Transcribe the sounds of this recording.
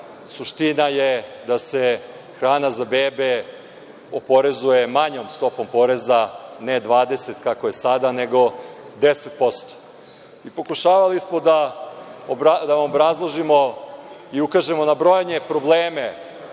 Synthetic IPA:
suʃt̪inajed̪ase̞ | xɾaːnazabeːbe | opo̞ɾe̞zuje̞maɲo̞mst̪o̞po̞mpo̞ɾe̞zaned̪ʋaːd̪e̞se̞t̪kako̞je̞sad̪ane̞ɡo̞d̪eset̪̚po̞st̪o̥ | ipo̞kuʃaːʋalismo̞d̪a | obɾad̪aʋamobɾazlˠoʒimo | iukaʒemo̞nabɾo̞jaɲe̞pɾo̞bleːme̞

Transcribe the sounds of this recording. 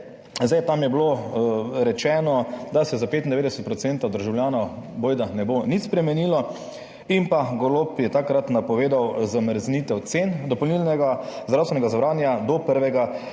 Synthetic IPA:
zd̪ajt̪amjɛblo | ɾɛt͡ʃɛːnɔd̪asɛzapeːt̪̬ind̪ɛʋeːd̪ɛsɛt̪pɾɔsent̪ad̪əɾʒawljaːnɔboːjd̪anɛbonit̪spɾɛmɛnilɔ | impaɡolopjɛt̪akɾat̪napɔʋeːd̪awzaməɾznit̪ɛwt̪send̪ɔpɔlnilnɛɡazd̪ɾawst̪ʋɛnɛɡazʋɾaːnjad̪ɔpəɾʋɛɡa

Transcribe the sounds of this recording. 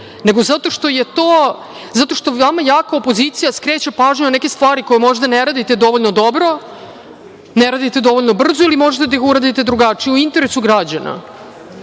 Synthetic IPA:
ne̞ɡo̞zat̪o̞ʂt̪o̞je̞t̪o | zat̪o̞ʃt̪o̞amajaːkaopo̞zit̪sijaskɾeːt͡ɕepaːʒɲeonekest̪ʋaːɾiko̞jemo̞ʒd̪aneɾaːd̪it̪ed̪o̞ʋoʎnod̪obɾo̞ | neɾad̪it̪e̞d̪o̞ʋo̞ʎno̞br̩zoilimo̞ʒet̪ed̪aixuɾad̪it̪ed̪ɾuɡat͡ʂijeuint̪e̞ɾesuɡɾad͡ʑana̰

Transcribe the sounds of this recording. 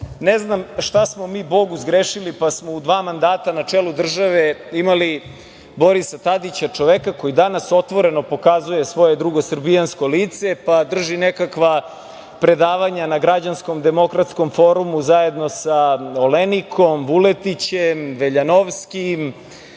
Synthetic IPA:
neznamʃt̪asmo̞miːbo̞ɡuzɡɾeʃilipasmo̞ud̪ʋaːmand̪aːt̪anat͡ʂelud̪r̩ʒaʋeimali | bo̞ɾisat̪ad̪it͡ɕat͡ʂo̞ʋekako̞jid̪anaso̞t̪ʋo̞ɾe̞no̞po̞kazuje̞sʋo̞jed̪ɾuɡosrbijansko̞liːt̪se̞pad̪r̩ʒinekakʋa | pɾe̞d̪aːʋaɲanaɡɾad͡ʑansko̞md̪e̞mo̞kɾat̪sko̞mfo̞ɾumuzaje̞d̪no̞saolenikʰo̞mʋulet̪it͡ɕemʋeʎanoʋskim

